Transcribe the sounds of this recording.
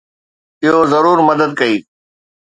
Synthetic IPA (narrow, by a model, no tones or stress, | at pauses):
ɪɦozɐɾuːɾmɐd̪əd̪̚kɐiː